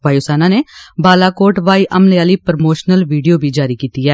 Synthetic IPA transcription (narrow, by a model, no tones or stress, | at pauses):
ʋaːiʊsaːnãːneːbaːlaːkoːɾʈʋaːiːʔəmlejaːliːpɾmoːʃnəlʋiːɖijoːbʱiːd͡ʒaːɾiːkiːt̪iːɛː